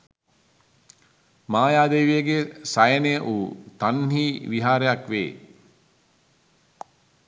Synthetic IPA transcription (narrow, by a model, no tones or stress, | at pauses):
maːjaːd̪ejʋijəɡesajənejəʔuːt̪anɦiːʋiɦaːɾejakʋḛː